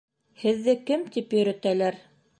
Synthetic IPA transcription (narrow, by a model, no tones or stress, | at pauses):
hɘ̆ðːɘkɘmt̪ipjɵ̆ɾæ̆t̪ælæɾ